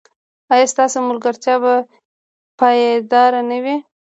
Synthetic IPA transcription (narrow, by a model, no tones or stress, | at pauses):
ɑjɑst̪ɑsomʊlɡaɾt̪jɑba | pɑjed̪ɑɾanawi